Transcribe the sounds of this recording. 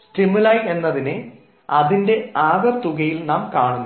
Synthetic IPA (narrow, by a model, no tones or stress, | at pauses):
sʈimulaːje̞nːɐðinɨ | ɐðinde̞aːɡɐt̪ːuɣɐjilnaːmkaːɳunː